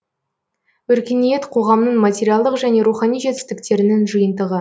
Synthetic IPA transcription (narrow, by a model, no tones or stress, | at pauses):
wɵɾkʲe̞nije̞t̪qʰo̞ʁɑmnəɴmatʲeɾijalˠd̪əqʒæne̞ɾuχɑnijʒe̞t̪ɪ̥st̪ɪk̚t̪e̞ɾɪnɪŋʒɨjənd̪əʁə